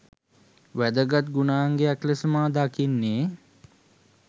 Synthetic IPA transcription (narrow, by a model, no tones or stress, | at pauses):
ʋæd̪əɡat̪̚ɡunaːŋɡeaklesəmaːd̪akinːeː